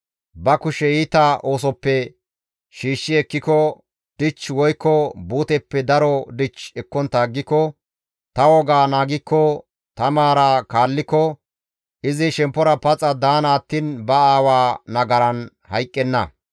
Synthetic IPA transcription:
bɐkʊʃɛiːt̪ɐʔo̞ːsɔpːɛ | ʃiːʃːɪɛkːɪkɔ | d̪̥ɪt͡ʃːwɔjkːɔbuːt̪ɛpːɛd̪ɐɾɔd̪ɪt͡ʃɛkːɔnt̪ːaːɡːɪkːɔ | t̪ɐwɔɡaːnaːɡɪkːɔ | t̪ɐmaːɾakaːlːɪkːɔ | ʔɪzɪʃɛmpːɔɾɐpɐt͡sʼːɐd̪aːnaːt̪ːiːnbɐaːwaːnɐɡɐɾɐn | hɐjkʼːɛnːɐ̰

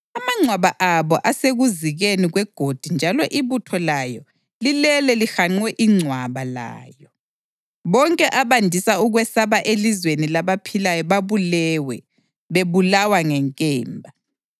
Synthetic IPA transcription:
amaŋ͡ǀʱwaβaʔaβɔʔaseɣuziɣeniɣwɛɡ̥ʱod̥ʱind͡ʒʱalɔʔiβutʰɔlajɔ | lilɛlɛlixaŋ͡ǀwɛʔiŋ͡ǀʱwaβala̰ːjɔ | βɔŋkʼɛʔaβandʱisauɣwɛsaβaʔelizwenilaβapʰilajɔβaβulɛwɛ | βeβulawaŋɛŋkʼɛːmbʱa

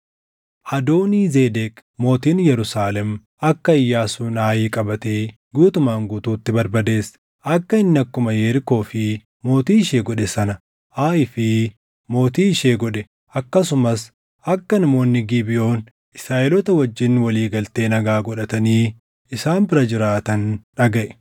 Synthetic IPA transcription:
hɐd̪oːniːzeːd̪eːkmo̞ːt̪iːnjɛɾʊsaːlɛm | ɐkːɐɪjːaːsuːnaːjiːkʼɐbɐt̪eː | ɡuːt̪ʊmaːŋɡuːt̪uːt̪ːɪbɐɾbɐd̪e̞ːs | ʔɐkːɐɪnːɐkːʊmɐjeːɾɪko̞ːfɪ | mo̞ːt̪iːɪʃeːɡɔᶑɛsɐnɐ | ʔaːɪfɪ | mo̞ːt̪iːʃeːɡɔᶑɛ | ʔɐkːɐsʊmɐs | ʔɐkːɐnɐmo̞ːnːɪɡibɪʔo̞ːn | ɪsɾaːʔɛlɔt̪ɐwɐd͡ʒːɪnwɐliːɡɐlt̪e̞ːnɐɡaːɡɔᶑɐt̪ɐniː | ɪsaːnbɪɾɐd͡ʒɪɾaːt̪ɐnᶑɐɡɐʔɛ̥

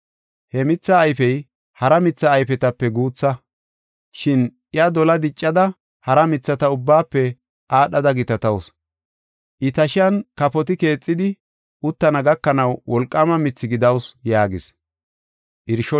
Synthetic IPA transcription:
hɛmɪt͡sːɐːjfɛj | hɐɾɐmɪt͡sːɐːjfɛt̪ɐpːɛɡuːt͡sːɐ | ʃɪnʔɪɐd̪ɔlɐd̪ɪt͡ʃʼːɐd̪ɐ | hɐɾɐmɪt͡sːɐt̪ɐʊbːaːpːɛ | ʔaːɗɐd̪ɐɡɪt̪ɐt̪ɐws | ʔɪt̪ɐʃɪjɐnkɐpɔt̪ɪke̞ːt͡sʼːɪd̪ɪ | ʊt̪ːɐnɐɡɐkːɐnɐwwɔlkʼːɐmɐmɪt͡sːɪɡɪd̪ɐwsjaːɡɪs | ʔɪɾʃɔ

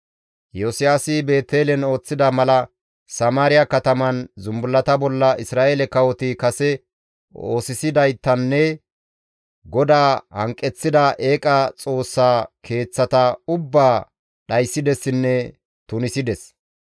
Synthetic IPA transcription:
josɪjaːsɪbe̞ːt̪ːeːlɛno̞ːt͡sːɪd̪ɐmɐlɐ | sɐmaːɾɪjɐkɐt̪ɐmɐnzʊmbʊlːɐt̪ɐbɔlːɐʔɪsɾaːʔelɛkɐwɔt̪ɪkɐsɛ | o̞̰ːsɪsɪd̪ɐjt̪ːɐnːɛ | ɡɔd̪aːhɐ̰ŋkʼːɛt͡sːɪd̪ɐʔe̞ːkʼɐt͡sʼo̞ːsːaːkʰe̞ːt͡sːɐt̪ɐʊbːaː | ɗɐjsːɪd̪ɛsːɪnːɛ | t̪ʊnɪsɪd̪ɛs

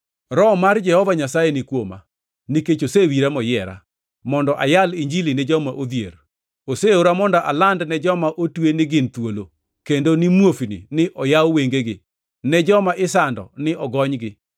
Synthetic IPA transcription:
ɾɔmard͡ʒɛhɔvaɲasajenɪkwoma̰ | niket͡ʃosewiɾamɔjɛɾa̰ | mɔndɔʔajaliɲd͡ʒilinɪd͡ʒɔmaʔod̪jḛr | oseoɾamɔndɔʔalandnɛd͡ʒɔmaʔotwenɪɡɪnt̪wolo | kendonɪmwofinḭnɪʔɔjawweŋɡeɡɪ | nɛd͡ʒɔmaʔɪsandɔ̰nɪʔɔɡɔɲɡɪ

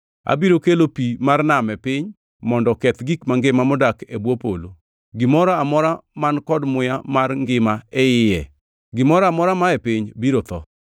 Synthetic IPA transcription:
a̰biɾokelopimarnamɛpɪɲ | mɔndɔkɛt̪ɡikmaŋɡɪmamɔdakebwopo̰lo̰ | ɡɪmɔɾaamɔɾamankɔdmʊjamarŋɡɪmaɛɪjɛ | ɡɪmɔɾaamɔɾamaepɪɲbiɾot̪ɔ̰

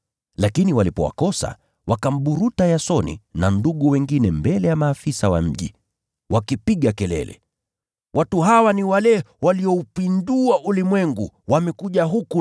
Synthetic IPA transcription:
lakiniwalipɔ̰wa̰kɔsa̰ | wʔakam̩ɓuɾutajasɔnḭnanduɠuwɛŋɡinɛmbɛlɛjamaːfisawa̰m̩ʄḭ | wakipiɠakɛlɛ̰lɛ̰ | watuɦawaniwalɛ | waliɔupinduaʔulimwɛŋɡuwamɛkuʄaɦuku

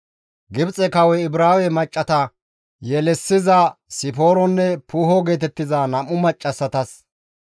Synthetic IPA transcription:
ɡɪbt͡sʼɛkɐwɛɪbɾaːwɛmɐt͡ʃʼːɐt̪ɐ | jɛlɛsːɪzɐsɪpo̞ːɾɔnːɛpuːɦɔɡe̞ːt̪ɛt̪ːɪzanɐmʊmɐt͡ʃʼːɐsːɐt̪ɐs

